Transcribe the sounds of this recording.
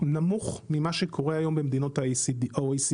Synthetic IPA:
namuχmimaʃekʰo̞ʁeajo̞mbemd̪ino̞taos

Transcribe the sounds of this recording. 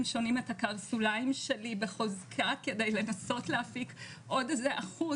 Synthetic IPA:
mʃo̞nime̞thakaʁsulaimʃe̞libeχozkʰake̞de̞jle̞naso̞tleafik | ʔodzeʔaχu

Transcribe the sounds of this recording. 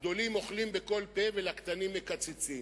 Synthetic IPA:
d̪o̞limo̞χlimbe̞ko̞lpe̞velakt̪animːekat͡set͡sim

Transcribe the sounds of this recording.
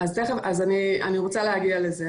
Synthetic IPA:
azteχeazania̰niʁot͡saleɦaɡialeze

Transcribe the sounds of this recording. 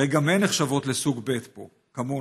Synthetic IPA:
ejɡamenːeχʃavo̞t̪lesuɡbe̞t̪po̞̰ | kamo

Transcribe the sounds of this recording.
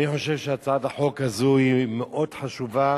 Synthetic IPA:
niħo̞ʃevʃeat͡sadaħo̞kazuimeʔo̞d̥ħaʃuva

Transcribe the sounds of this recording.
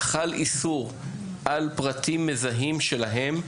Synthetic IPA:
χalisuʁ | ʔalpʁatʰimːezaɦimʃelaɦe̞m

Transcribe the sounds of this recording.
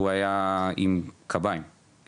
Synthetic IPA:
uajaimkʰabajm

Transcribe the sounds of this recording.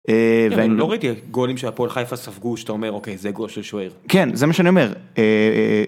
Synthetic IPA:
eveainloʁait̪iɡolimʃeapolχajfasavɡuʃat̪aomeʁokejzeɡolʃelʃoeʁkenzemaʃeanio̞meʁe

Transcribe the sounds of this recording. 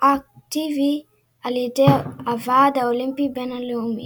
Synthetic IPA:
ak̚tivi | alitɛavaːdaolimpikbɛnaliumḭ

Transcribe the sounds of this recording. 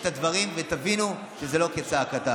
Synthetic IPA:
t̪ad̪vɐʁimvet̪avinu | ʃezelo̞ket͡sakat̪a

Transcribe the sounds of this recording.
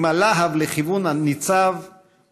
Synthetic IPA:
malaɦavleχivunanit͡sav

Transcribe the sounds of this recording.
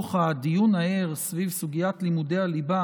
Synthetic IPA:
χad̪ijunaeʁsvivsuɡijat̪limud̪ealiba

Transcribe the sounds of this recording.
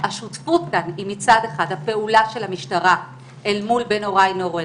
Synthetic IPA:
haʃutfut̪̚kanimit͡sad̪eχad̪hape̞ulaʃe̞lamiʃtaʁa | ʔelmulbe̞no̞ʁajnoʁe

